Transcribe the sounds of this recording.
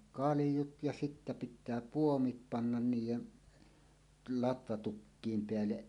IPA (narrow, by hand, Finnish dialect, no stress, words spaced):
kɑlĭjut jɑ sitːæ pitˑæː puomit pɑnːɑn niːjˑen lɑtʋɑtukːiːm peælːeʔ